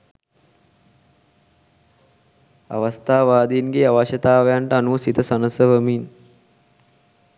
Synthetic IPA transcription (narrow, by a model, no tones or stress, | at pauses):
a̰ʋəst̪aːʋaːd̪inɡeːaʋaʃɐt̪aːʋɐjaɳʈəanuɐsit̪əsanəsəʋəmin